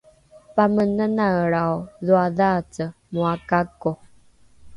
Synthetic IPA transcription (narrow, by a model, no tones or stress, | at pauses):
pamənənaəɭawðuaðat͡səmuakako